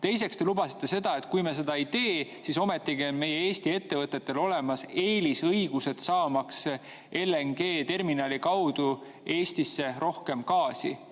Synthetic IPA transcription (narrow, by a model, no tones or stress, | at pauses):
t̪e̞js̬e̞kst̪e̞lubɑsi̥t̪ˑːe̞se̞d̪̥ɑe̞t̪ːˑkujmes̬e̞d̪̥ɑejt̪e̞ːsiso̞me̞t̪ːˑiɡio̞nme̞jee̞ːst̪ie̞t̪ːe̞vɤt̪ːˑet̪ːe̞lo̞le̞mɑse̞ːlisɤjɡ̥use̞d̪̥sɑːmɑks | ʔe̞leŋɡ̥e̞ːt̪e̞rminɑlikɑwd̪̥u | e̞ːst̪isːe̞ɾo̞hke̞mkɑːsḭ